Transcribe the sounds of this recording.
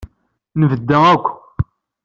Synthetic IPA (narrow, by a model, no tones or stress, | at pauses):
nəvəd̪ːæækʷː